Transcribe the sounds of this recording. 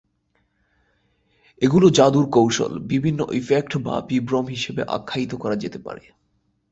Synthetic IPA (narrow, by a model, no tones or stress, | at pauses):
eɡulod͡ʑad̪uɾkowʃo̰lbibʱinːo̰ʔifek̚ʈba̰bibɾomɦiʃebeʔa̰kʰːait̪okɔɾad͡ʑet̪epa̰ɾe